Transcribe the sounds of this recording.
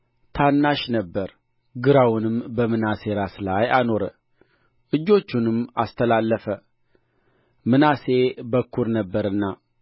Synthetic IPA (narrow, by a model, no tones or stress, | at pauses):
t̪ʰanːaʃnəbːəɾ | ɡɨɾawʊnɨmbəmɨnase̞ɾaslajano̞ɾə̰ | ʔɨd͡ʒːo̞t͡ʃːunɨma̰st̪ʰəlalːəfə | mɨnase̞bəkʰːuɾnəbːəɾɨnːa